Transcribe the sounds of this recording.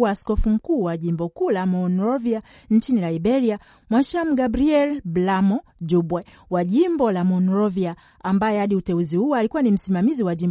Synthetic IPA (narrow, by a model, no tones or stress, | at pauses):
askɔfum̩kuːwaʄimbɔkuːlamɔnɾɔvia | nt͡ʃinilaibɛɾia | mwaʃam̩ɡabɾiɛlblamɔd͡ʒubwɛ | waʄimbɔlamɔnɾɔvia | ambajɛhaɗiutɛuzihuwaalikuwanim̩simamiziwaʄim